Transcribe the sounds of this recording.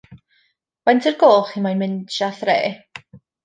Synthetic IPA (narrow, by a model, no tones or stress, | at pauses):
wantʰərɡoːχimajnmɪnʃaθrḛː